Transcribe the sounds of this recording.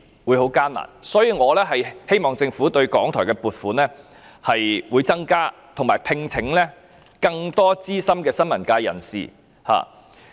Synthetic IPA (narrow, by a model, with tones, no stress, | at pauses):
wu˨˧jho˨˥wkaː˥nla̰ː˨˩nsɔː˨˥jiː˧ŋɔː˨˧lɛː˥ɦɐ˨jhe˥jmɔː˨˩ŋt͡sɪ˧ŋfu˨˥t̪ɵ˧ɥkɔː˨˥ŋt̪ʰɔː˨˩kɛː˧puː˨t̚fuː˨˥nɛː˥ | hɐ˨jwuː˨˧jt͡sɐ˥ŋkaː˥t̪ʰʊ˨˩ŋmaː˨˩jpʰɪ˧ŋt͡sʰɪ˨˥ŋlɛː˥ | kɐ˧ŋt̪ɔː˥t͡siː˥sɐ˥mkɛː˧sɐ˥nmɐ˨˩nkaː˧jɐ˨˩nsḭː˨˩ | ha̰ː˨˩